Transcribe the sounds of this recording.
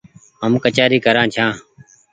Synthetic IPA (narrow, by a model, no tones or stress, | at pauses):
ɦəmkət͡ʃaːɾiːkəɾãːt͡ʃʰãː